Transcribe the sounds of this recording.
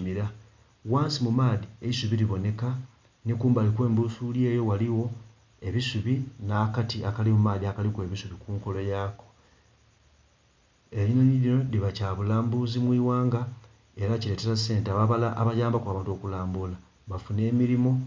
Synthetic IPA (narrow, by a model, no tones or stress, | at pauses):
miɾa | waːnsimumaːðieisuβiɾiβo̞ne̞ka | nikuːmbalikwe̞ːmbusulje̞ːjo̞waliwo̞ | e̞βisuβinakatiakalimumaːðiakalikwe̞βisuβikuːŋko̞lo̞jaːko̥ | e̞ɾinoniɾino̞liβacaːβulaːmbuzimwiːwaːŋɡa | e̞ɾacile̞ːteɾasːe̞ːnteaβaβalaa̰βajaːmbakwaːβaːnto̞ːkulaːmbula | βafune̞ːmiɾimo̞